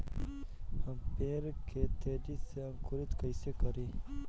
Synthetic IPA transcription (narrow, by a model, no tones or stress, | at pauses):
hɐmpeːɾket̪ʰeːdiseɐmkuɾit̪kəjsekɐɾiː